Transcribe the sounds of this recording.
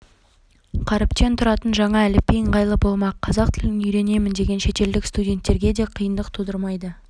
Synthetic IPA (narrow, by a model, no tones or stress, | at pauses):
qʰɑɾɪpt̪e̞nt̪ʰʊɾɑt̪ənʒɑɴɑælɪpːejɴqɑjlˠəpbolˠmɑqqʰɑzɑq̚t̪ʰɪlɪnʏjɾe̞ne̞mɪnd̪e̞ɡʲe̞nʃe̞t̪e̞ld̪ɪkst̪udʲe̞nt̪ːe̞ɾɡʲe̞d̪e̞qʰəjənd̪əq̚t̪ʰud̪əɾmɑjd̪ə